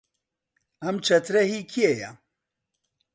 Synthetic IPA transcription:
ɐmt͡ʃʰɐt̪ʰɾɐɦikʰieja̰

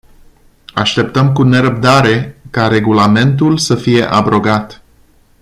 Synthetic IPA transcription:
aʃt̪e̞p̚t̪əmkune̞ɾəp̚d̪aɾe̞kaɾe̞ɡulame̞nt̪ulsəfije̞ʔabɾo̞ɡat̪

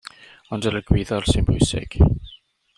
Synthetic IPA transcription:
ɔndələɡwɪðɔrsɪnbʊjsɪ̰ɡ̥

